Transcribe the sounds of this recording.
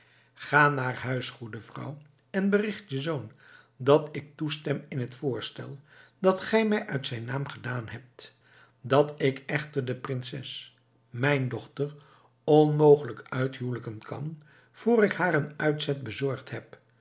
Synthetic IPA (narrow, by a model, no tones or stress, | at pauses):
χaːnaːrɦœɥsχudəvrɑ̰w | ɛnbərɪχtjəzown | dɑtɪk̚tustɛmɪnɦətfʊːɹstɛ̰lˠdɑtχɛjmɛjʔœɥtsɛjnaːmχədaːnɦɛp̚t | dɑtɪkɛχtəɹdəprɪnsɛs | mɛjndɔχtər | ɔnmowχələkœɥtɦuwləkənkʰɑ̰n | v̥ʊːrɪkhaːɾənœɥtsɛt̚bəzɔɹχtɦɛp